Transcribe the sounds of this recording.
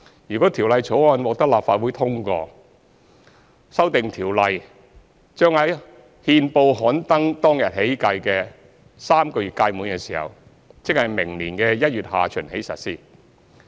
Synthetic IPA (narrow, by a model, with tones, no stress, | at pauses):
jyː˨˩kɔː˨˥t̪ʰiː˨˩wlɐ˨jt͡sʰo˨˥wɔː˧nwɔː˨˧k̚t̪ɐ˥k̚laː˨p̚faː˧t̚wuː˨˥jt̪ʰʊ˥ŋkɔ̰ː˧ | sɐ˥wt̪ɪ˨ŋt̪ʰiː˨˩wlɐ˨˧j | t͡ʃœː˥ŋhɐ˨˥j | hiː˧npo˧wɦɔː˨˥nt̪ɐ˥ŋt̪ɔː˥ŋjɐ˨t̚he˨˥jkɐ˧jkɛː˧ | saː˥mkɔː˧jyː˨t̚ka˧jmuː˨˥nkɛː˧siː˨˩hɐ̰˨˩w | t͡sɪ˥k̚hɐ˨jmɪ˨˩ŋliː˨˩nkɛː˧jɐ˥t̚ɥyː˨t̚haː˨˩t͡ʃʰɵ˨˩nɦe˨˥jsɐ̰˨t̚siː˥